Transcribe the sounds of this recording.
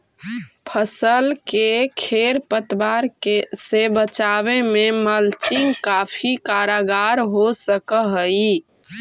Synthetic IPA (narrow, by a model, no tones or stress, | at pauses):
pʰəsəlkekʰeɾpət̪baɾkesebət͡ʃaβememəlt͡ʃiŋɡkapʰikaɾaɡaɾɦosəkəɦəj